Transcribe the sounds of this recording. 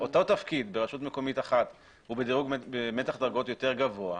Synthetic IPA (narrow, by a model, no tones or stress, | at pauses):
o̞t̪o̞tafkid̪beʁaʃutmeko̞mitaχat | hubed̪iʁuɡbemetaχd̪aʁɡo̞tjo̞teʁɡavo̞a